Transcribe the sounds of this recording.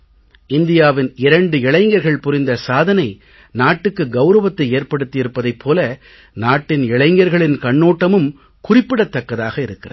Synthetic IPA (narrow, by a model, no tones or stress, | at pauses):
ɪnd̪ɪjaːʋɪnɪɾɐɳɖɯɪɭɐɪŋɡɐɾɣɐɭpʊrɪnd̪ɐsaːðɐnɐɪ | naːʈːɯkːɯɡɐʊɾɐʋɐt̪ːɐɪeːrpɐɽɯt̪ːɪjɪɾɯpːɐðɐɪpʰːoːlɐ | naːʈːɪnɪɭɐɪŋɡɐɾɣɐɭɪnkɐɳːoːʈːɐmɯm | kʊrɪpːɪɽɐt̪ːɐkːɐðaːɣɐɪɾɯkːɪrɐ̰